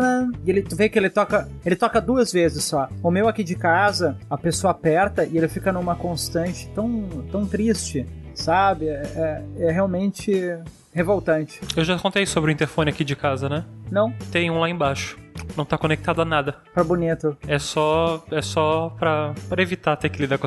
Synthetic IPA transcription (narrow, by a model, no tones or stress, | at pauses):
elɪt̪ʊvejʊkɪelɪt̪ɔkɐelɪt̪ɔkɐd̪uɐzvezɪsːɔʊmewakid͡ʒɪkazɐɐpesoɐapɛɾt̪ɐʔɪelɪfikɐnũmɐkõst̪ɐ̃nt͡ʃɪ̥t̪ɐ̃w̃t̪ɐ̃w̃t̪ɾist͡ʃɪsabɪɛɛɛɦeawmẽnt͡ʃɪ | hevowt̪ɐ̃nt͡ʃɪ̥ewʒakõnt̪ejsobɾʊĩt̪eɾfõnɪakid͡ʒɪkazɐnɛnɐ̃w̃t̪ẽj̃ũlaẽbaʃʊ̥nɐ̃w̃t̪akõnek̚t̪ad̪ʊanad̪ɐ | pɾɐbunit̪ʊɛsɔɛsɔpɾɐpɾɐevit̪at̪ekɪlid̪ak